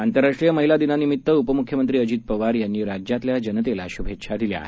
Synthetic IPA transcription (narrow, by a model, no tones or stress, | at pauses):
ant̪əɾːaʂʈɾijəməɦilad̪inanimit̪ːəupəmukʰjəmənt̪ɾiːəd͡ʑiːt̪̚pəʋaɾjanːiːɾad͡ʑjat̪ljad͡ʑənət̪elaɕubʱet̪ːɕʰad̪ilja̰